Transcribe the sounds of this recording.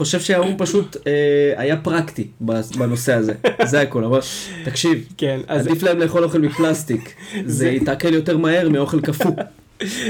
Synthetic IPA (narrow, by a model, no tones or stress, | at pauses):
χo̞ʃe̞vʃeaumpaʃut̪eajapʁakt̪ibabano̞se̞aze̞zeako̞lavalt̪akʃivkead̪iflaemleːχo̞lo̞χelmiplast̪ikzeit̪akeljo̞te̞ʁmahe̞mio̞χe̞lkafu